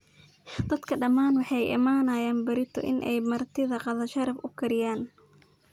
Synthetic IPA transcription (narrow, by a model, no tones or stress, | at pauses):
d̪̥ɐd̪kʰɐɖɐmaːnwɑħɑjʔɪ̰maːnɐjaːnbɐɾɪt̪ʰɔ̰ʔɪ̰nʔɛjmɐrt̪ʰɪðɐqɑðɐʃɐɾɐbʊkʰɐɾɪjaːn